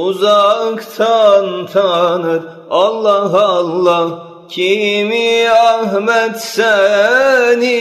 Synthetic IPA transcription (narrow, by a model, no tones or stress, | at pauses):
uzɑkt̪ʰɑnt̪ʰɑnɯd̪ | ɑlˠːɑɦɑlːɑ | kʲʰimiæhmæt̪sæ | ni